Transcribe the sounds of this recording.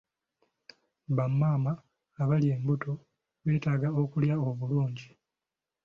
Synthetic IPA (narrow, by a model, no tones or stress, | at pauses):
βamːaːmaː | βalje̞ːmbuto̞ | βe̞ːtaːɡao̞kuljao̞βuluːɲɟi